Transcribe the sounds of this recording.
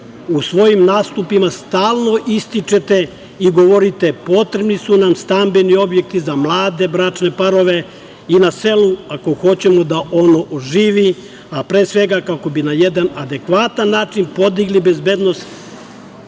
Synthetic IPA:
usʋo̞jimnaːst̪upimast̪aːlˠno̞ʔist̪it͡ʃe̞t̪e̞ | iɡo̞ʋo̞ɾit̪e̞po̞t̪ɾe̞bnisunamst̪ambinio̞bje̞k̚t̪izamlˠaːd̪e̞bɾaːt͡ʃne̞paɾo̞ʋe̞ | inase̞luako̞xo̞t͡ɕe̞mo̞d̪aʔo̞noʔoʒiːʋi | apɾeːsʋe̞ɡakako̞binajed̪anad̪e̞kʋat̪anːaːt͡ʃinpo̞d̪iɡlibe̞zbeːd̪no̞st̪

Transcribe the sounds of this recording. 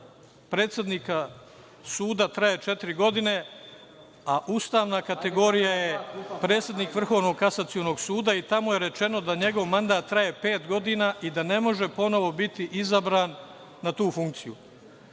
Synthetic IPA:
pɾe̞ːt̪sjed̪nika | suːd̪at̪ɾaje̞t͡ʃe̞t̪iɾiɡo̞d̪ine̞ | aʔuːst̪aːʋnakat̪e̞ɡo̞ɾijaje̞pɾe̞ːt̪sje̞d̪niːkʋr̩xo̞ʋno̞ɡkasat̪siono̞ɡsuːd̪ait̪amojeɾe̞t͡ʃe̞no̞d̪aɲe̞ɡo̞ʋmand̪aːt̪ːɾaje̞pe̞ːt̪ɡo̞d̪iːnaːʔid̪ane̞mo̞ʒe̞po̞no̞ʋo̞bit̪iʔizabɾaːnː | at̪uːfuŋk̚t̪sijṵ

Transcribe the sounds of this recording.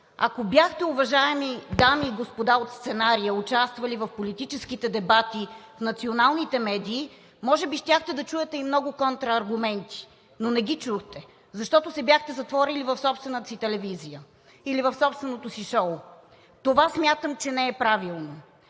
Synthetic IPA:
a̰kobjaxt̪ɛʊvɐʒaɛmid̪amiːɡospod̪aot̪st̪sɛnaɾijəʊt͡ʃast̪vɐlivɐfpolit̪it͡ʃɛskit̪ɛd̪ɛbat̪ifnɐt̪sionalˠnit̪ɛmɛd̪iː | mɔʒɛbiʃt̪ʲjaxt̪ɛd̪ɐt͡ʃujɛt̪ɛimnɔɡʊkɔnt̪ɾɐɐɾɡʊmɛnt̪i̥ | nonɛɡit͡ʃuxt̪ɛ | zɐʃt̪ɔt̪osɛbʲjaxt̪ɛzɐt̪vɔɾilivɐfsɔpst̪vɛnət̪əsit̪ɛlɛvizijə | ilivɐfsɔpst̪vɛnot̪osiʃɔʊ | t̪ovasmʲjat̪əmt͡ʃɛnɛɛpɾavilˠno

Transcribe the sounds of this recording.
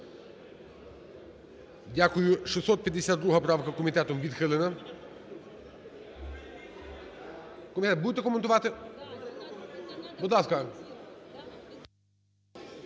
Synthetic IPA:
dʲakʊjʊʃisɔt̪̚pʲjɐd̪ːesʲad̪d̪ɾuɦɐpɾɑʋkɐkɔmʲit̪ɛt̪ɔmʋʲid̪xɪlˠɪnɐ | kɔmʲit̪ɛt̪̚bud̪et̪ɛkɔment̪ʊʋɑt̪ɪ | bud̪lˠɑskɐ

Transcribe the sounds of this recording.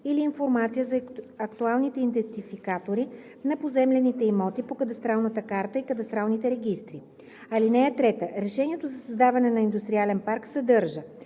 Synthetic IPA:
iliːnfoɾmat̪sijəzɐɐkt̪ualˠnit̪ɛind̪ɛnt̪ifikat̪oɾi | nɐpozɛmlɛnit̪ɛimɔt̪ipokəd̪ɐst̪ɾalˠnət̪əkaɾt̪əikəd̪ɐst̪ɾalˠnit̪ɛɾɛɡist̪ɾi | ɐlinɛːt̪ɾɛt̪əɾɛʃɛnʲiɛt̪ozɐsɐzd̪avɐnɛnɐind̪ust̪ɾialɛnpaɾksɐd̪ɤɾʒə

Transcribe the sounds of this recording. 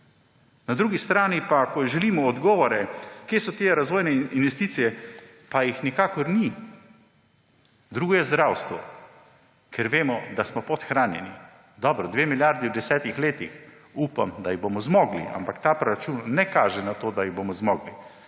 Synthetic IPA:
nad̪ɾuːɡist̪ɾaːnipakɔʒɛliːmɔɔd̪ɡɔːʋɔɾɛkjeːsɔt̪eːɾazʋɔːjnɛinʋɛst̪iːt̪sijɛ | pajixnikaːkɔɾni | d̪ɾuɡjɛzd̪ɾawst̪ʋɔ | kʰɛɾʋeːmɔd̪asmɔpɔt̪xɾaːnjɛ̰nḭ | d̪ɔbɾɔd̪ʋemiljaɾd̪iwd̪ɛsɛːt̪ixleːt̪ix | upa̰md̪ajibomɔzmɔːɡlḭʔa̰mpakt̪aːpɾɔɾat͡ʃunːɛkaːʒɛnat̪oːd̪ajiɣbomɔzmɔːɡli

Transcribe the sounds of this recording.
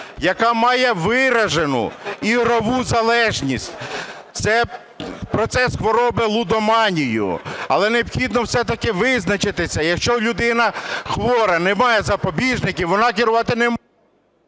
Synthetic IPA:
jɐkɑmɑjɛʋɪɾɐʒenʊ̰iɦɾɔʋuzɐlˠɛʒnʲisʲtʲ | t̪sɛ | pɾɔt̪sɛsxʋɔɾɔbɪlˠud̪ɔmɑnʲijʊ̰ɐ̰lˠɛneɔpxʲid̪nɔwsɛt̪ɐkɪʋɪznɐt͡ʃɪt̪ɪsʲɐjɐkʃt͡ʃɔlʲʊd̪ɪnɐxʋɔɾɐnɛmɑjɛzɐpɔbʲiʒnɪkʲɪwʋɔnɑkʲɪɾʊʋɑt̪ɪnɛm

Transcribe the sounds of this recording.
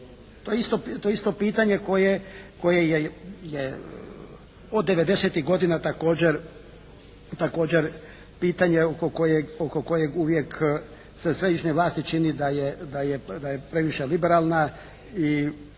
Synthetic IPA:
t̪ojeist̪o̞t̪ojeist̪o̞piːt̪aɲe̞ko̞jeko̞jejeje | od̪ːeʋe̞d̪e̞set̪iɣɡo̞d̪inat̪ako̞ːd͡ʑeɾ | t̪ako̞ːd͡ʑeɾ | piːt̪aɲeokokojeɡoko̞ko̞jeɡuʋjek | sesɾe̞d̪iʃneʋlˠaːst̪it͡ʃinid̪ajed̪ajed̪ajepɾe̞ʋiʃelibeɾalˠna | i

